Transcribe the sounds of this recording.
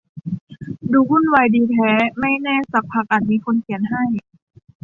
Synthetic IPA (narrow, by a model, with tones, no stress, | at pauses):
duː˧ku˥˩nwa˨˧˩jdiː˧t̪ʰɛː˨˦˥ma˥˩jnɛː˧˥˩sa˧˦pʰːa˧˩k̚ʔa˨˩n̚miː˧kʰo˧nkʰi˨˩˦ənɦa˥˩j